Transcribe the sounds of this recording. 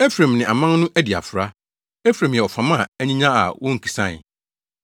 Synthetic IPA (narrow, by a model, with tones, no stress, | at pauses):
e˦fɾẽ˨mnɪ̃˨a˨mã˦n˦nʊ̃˦ʔæ˦di˨a̰˨fʊ˨ɾa˦ | e˦fɾẽ˨m˨ɛ˨ɔ˨fã˨˦mã˦˨æ˦ɲĩ˦ɲã˦a̰˨wɔ̃˦ŋ̩˨kʰi̥˨sã̰˦˨